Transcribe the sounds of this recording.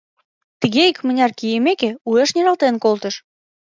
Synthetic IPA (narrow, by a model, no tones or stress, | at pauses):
t̪əɣeikmə̆nʲɑrkijemekeueʃnʲeɾɑlt̪enkolt̪ə̆ʃ